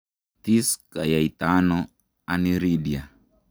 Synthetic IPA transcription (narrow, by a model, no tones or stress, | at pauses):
t̪iskajait̪ano | aniɾidia